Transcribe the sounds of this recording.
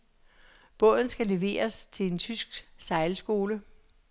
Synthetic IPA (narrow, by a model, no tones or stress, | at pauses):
b̥ɔ̽ðˠn̩sɡ̥æle̝ʋe̝̰ːɐst͡sʰe̝le̝nt͡sʰysɡ̥sɑ̈ɪlsɡ̥o̝ːlə